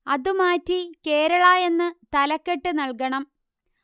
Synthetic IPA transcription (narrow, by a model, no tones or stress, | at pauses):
ɐðumaːtːike̞ːɾɐɭaːje̞nːɨt̪ɐlɐkːeʈːɨnɐɭkɐɳɐm